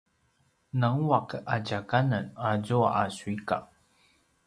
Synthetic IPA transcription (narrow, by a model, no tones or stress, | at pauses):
naŋuakaɟakananazuaasuika̰